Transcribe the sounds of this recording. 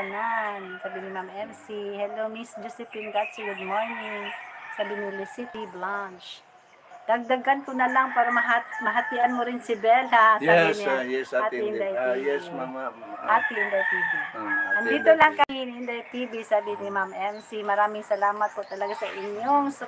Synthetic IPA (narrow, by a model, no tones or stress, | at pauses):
ɐnansaːbɪnimamɛnsihɛlomisd͡ʒosɪpɪnɡ̪at̪siɡʊd̪̚moɹnɪŋsaːbɪnɪlɪsɪt̪iblant͡ʃ | d̪̥ɐɡ̚d̪ɐɡɐnkʊnɐlaŋpaːɾɐmɐɦamɐɦɐt̪ɪʔɐnmoɾɪnsɪbɛlasabiniat̪ind̪ajt̪i | ʔʔat̪iɪnd̪ajt̪iːbiɐnd̪iːt̪olaŋkɐhinʔɪnd̪ajt̪ibisaːbɪnimamʔɛnsimɐɾaːmɪŋsɐlaːmɐt̪̚pot̪ɐlɐɡasɐʔɪɲjoŋs